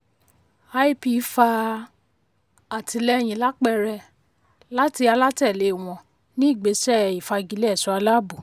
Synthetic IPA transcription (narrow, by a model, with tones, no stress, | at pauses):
a˧˦i˦pi˧˨˦fa˧ | a˨tʰi˧lɛ˦˨j̃ĩ˨la˦k͡pɛ˦˧ɾɛ˧ | la˦ti˧a˧la˦tɛ˦˨le˨˦˨w̃ɔ̃˧ | nĩ˦i˦˨ɡ͡be˨˦sɛ˦i˨fa˧ɡi˧lɛ˦˨sɔ˨˦a˧la˦bu˨